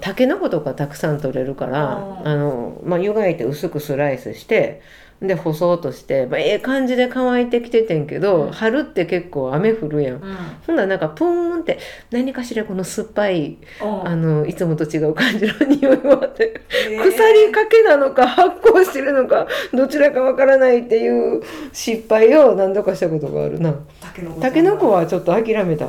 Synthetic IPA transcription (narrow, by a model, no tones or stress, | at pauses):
t̪ake̞noko̞t̪o̞kat̪akɯ̟̥sãnt̪o̞ɾe̞ɾɯ̟ka̰ɾaːno̰majɯɡait̪e̞ɯ̟sɨkɯ̟sɨɾaisɨ̰ɕi̥t̪e̞̰ | nd̪e̞ho̞so̞ːt̪o̞ɕi̥t̪e̞maeːkãɲ̟d͡ʑid̪e̞kaβait̪e̞kʲi̥t̪e̞t̪ẽ̞ŋke̞d̪o̞haɾɯ̟t̪ːe̞ke̞kːo̞ːame̞ɸɯ̟ɾɯ̟jãŋ̃sõ̞nd̪anãŋkapɯ̃nt̪e̞ | naɲ̟ikaɕiɾako̞no̞sɨpːai | ano̞it͡sɨmo̞t̪o̞t͡ɕiɡaɯ̟kãɲ̟d͡ʑiɾɯɲ̟ioimat̪ːekɯ̟saɾʲikake̞nano̞kahakːo̞ːɕi̥t̪e̞ɾɯ̟no̞kad̪o̞t͡ɕiɾakaβakaɾanait̪ːe̞jɯ̟ːɕipːaio̞nãnd̪o̞kaɕi̥t̪ako̞t̪o̞ɡa̰ːɾɯ̟̰na | t̪ake̞no̞ko̞βat͡ɕo̞t̪ːo̞akʲiɾame̞t̪a̰